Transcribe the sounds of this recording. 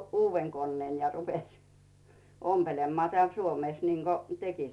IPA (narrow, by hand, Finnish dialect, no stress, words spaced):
uːʋːen konːeːn jɑ rupesʲ ompelemːɑː teæˑl suomeˑs niːŋɡ̊o teki